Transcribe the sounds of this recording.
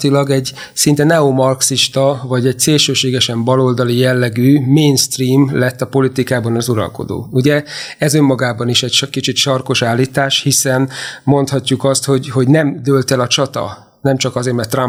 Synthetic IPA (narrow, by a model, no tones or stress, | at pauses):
t̪ilɒɡɛɟ | sint̪ɛnɛomɒrksiʃt̪ɒvɒɟɛc̚seːlʃøːʃeːɡɛʃɛmbɒlo̞ld̪ɒlijɛlːɛɡyːmeːnst̪riːmlɛt̪ːɒpo̞lit̪ikaːbɒnɒzuɾɒ̰lko̞̰d̪o̰ːuɟɛɛzømːɒɡaːbɒniʃɛɟʃkit͡ʃit̪ʃɒrko̞ʃaːlːiːt̪aːʃhisɛnmo̞nt̪hɒcːukɒst̪ho̞ɟho̞ɟnɛmd̪ølt̪ɛlɒt͡ʃɒt̪ɒ̰ | nɛmt͡ʃɒkɒzeːrmɛrt̪ːrɒ